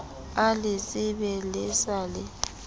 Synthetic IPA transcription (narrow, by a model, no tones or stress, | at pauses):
alɪsʼɪβɛlɛsalɛ